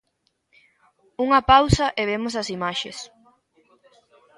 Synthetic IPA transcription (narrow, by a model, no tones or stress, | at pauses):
uŋɐpawsɐʔeβemʊs̬ɐsimaʃḛs